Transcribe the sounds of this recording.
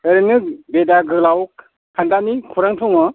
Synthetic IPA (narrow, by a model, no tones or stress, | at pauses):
eɾɯnɯk̚bedaɡɯlawk̚ | kʰandanikʰuɾaŋtʰɔŋɔ